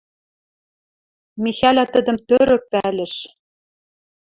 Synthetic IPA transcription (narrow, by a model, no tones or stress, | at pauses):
mixælʲæt̪ə̆d̪ə̆mt̪øɾɘ̆k̚pælʲɘ̆ʃ